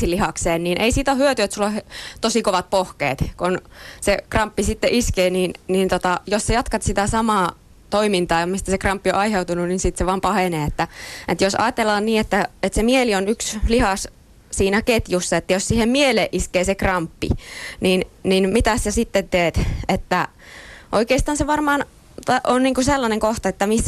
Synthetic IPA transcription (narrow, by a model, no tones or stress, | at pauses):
silihɑkseːnninʔḛisiːt̪ohyøt̪yet̪sulːoht̪osikoʋɑt̪̚pohkḛːt̪konsekrɑmpːisit̪ːeʔiskeːniːnniːnt̪ot̪ɑjossejɑt̪kɑt̪sit̪æsɑmɑː | t̪oimint̪ɑːomist̪æsekrɑmpːioʔɑiheut̪ununinsit̪seʋɑːmpɑheneːet̪ːæet̪josɑ̰ːt̪elːɑːnniːet̪ːæet̪semielionykslihɑs | siːnæket̪jusːɑet̪ːæjossiːhemmieleʔiskeːsekrɑmpːḭninninmit̪æssesit̪ːent̪eːt̪et̪ːæ | ʔoikeːˑist̪ɑːnseʋɑrmɑːn | t̪ɑʔonniːŋkuselːɑneŋkoht̪ɑet̪ːæmisː